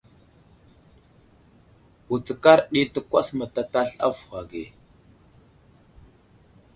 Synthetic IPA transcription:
u˨t͡sə˨ka˦ɾɗi˦tə˦kʷa˦sma˨ta˨ta˦ɬa̰˦fxa˨ɡe˨

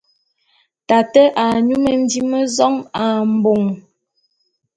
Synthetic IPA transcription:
ta˨tɛ˦ʔa˨ɲu˦mə˨n̩˦di˦mə˦zɔ˦ŋa˨m̩˨bo˨ŋ

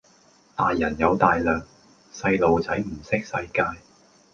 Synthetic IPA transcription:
t̪aː˨jːɐ˨˩njɐ˨˧wt̪aː˨jlœː˨ŋ | sɐ˧jlo˨˧wt͡sɐ˨˥jm̩˨˩sɪ˥k̚sɐ˧jkaː˧j

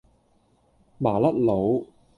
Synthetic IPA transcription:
maː˨˩lɐ˦˥t̚lo˨˧w

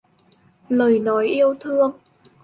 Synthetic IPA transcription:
ləː˨˩jnɔ˨˦jʔi˧əwt̪ʰɨ˧əŋ

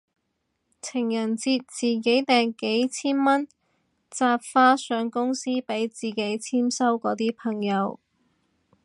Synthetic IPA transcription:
t͡sʰɪ˨˩ŋjɐ˨˩nt͡siː˧t̚t͡siː˨ke˨˥jt̪ɛː˨ŋke˨˥jt͡sʰiː˥nmɐ˥n | t͡saː˧p̚faː˧˥sœː˨˧˥ŋkʊ˥ŋsiː˥pe˨˥jt͡siː˨ke˨˥jt͡sʰiː˥msɐ˥wkɔː˨˧˥t̪iː˥pʰɐ˨˩ŋjɐ˨˧w

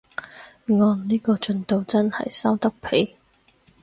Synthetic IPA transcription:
ŋɔː˧nniː˥kɔː˧t͡ʃɵ˧nt̪o˨˧wt͡sɐ˥nhɐ̰˨jsɐ˥wt̪ɐ˥k̚pʰe˨˥j

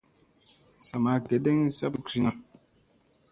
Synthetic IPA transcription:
sa˨ma˨˦ke˨de˦ŋ̩˦sa˦pksi˦na˦

